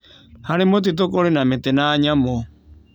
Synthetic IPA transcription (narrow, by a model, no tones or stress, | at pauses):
haɾemot̬it̬okoɾenametenaːɲamo